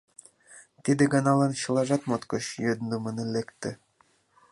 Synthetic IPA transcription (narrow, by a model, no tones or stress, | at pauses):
t̪id̪ĕɡɑnɑlɑnɕɤ̆lˠɑʒɑt̪mot̪kɤɕjød̪nd̪ŏmɤ̆nelekt̪ːɘ̆